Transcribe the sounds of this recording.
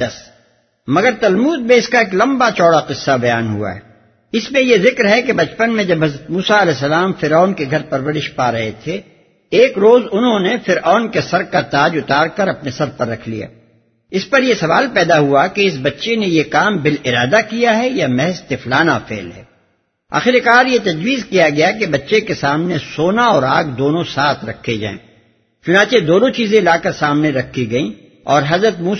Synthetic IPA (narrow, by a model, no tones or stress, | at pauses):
d̪̥ɐs | mɐɡəɾt̪ɐlmuːd̪̚mẽɪskaeːklɐ̃mbat͡ʃɔːɽaqɪsːabɐjaːnɦṵa̰ɦɛ̰ | ɪsmẽjezɪkɾɦɛkebɐt͡ʃpənmẽd͡ʒɐbʱɦɐzɾət̪muːsaɐlɛːs̬ɐlaːmfɪɾaːʊnkeɡʱɐɾpɐɾwəɾɪʃpaːɾɐɦet̪ʰe | eːkɾoːzʊnɦõnefɪɾaːnkesɐɾkat̪aːd͡ʒʊt̪aːɾkɐɾɐpnesɐɾpɐɾːɐkʰlḭja̰ː | ɪspɐɾjesɐʋaːlpɛːd̪aɦuakeɪs̬bɐtːʃenejekaːmbɪlɪɾaːd̪akijaɦɛjamɛɦɛzt̪ɪflaːnafɛ̰ːlɦɛ̰ː | a̰ːxɪɾikaːɾjet̪ɐd͡ʒwiːzkijaɡɐjakebɐtːʃekesaːmnesoːnaɔːɾaːɡd̪oːnõsaːt̪ʰɾɐ̰kʰːed͡ʒa̰ːḛ̃ː | t͡ʃʊnãːt͡ʃed̪oːnõt͡ʃiːzẽlaːkɐɾsaːmneɾɐkʰːiɡɐĩ | ɔːɾɦɐzɾət̪muː